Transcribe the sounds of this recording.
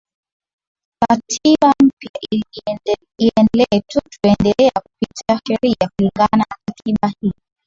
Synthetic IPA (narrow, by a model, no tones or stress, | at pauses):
katʰiɓam̩pjaʔ | iɛnɛlɛɛtutuɛndɛlɛakupitiaʃɛɾiakuliŋɡananakatʰiɓahi